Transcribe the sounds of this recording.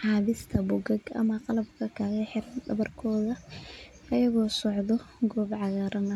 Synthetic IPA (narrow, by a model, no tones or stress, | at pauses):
ħɑːβɪst̪ʰɐbʊɡɐɡɐ̰mɐqɑlɐbkʰɐkʰaːɣɐħɪrɐɖɐβɐrkʰɔːðɐ | ɐjɐɣɔːsɔʕðɔɡɔːbʕɑɣaːɾɐnɐ